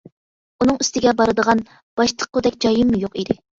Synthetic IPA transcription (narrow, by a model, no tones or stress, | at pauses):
unɨŋyst̪ɪɡʲɛbɑɾɨd̪əʁɑn | b̥ɑʃt̪ʰə̥q̚ːod̪ɛkʲd͡ʒɑjɨmːujoqid̪ɪ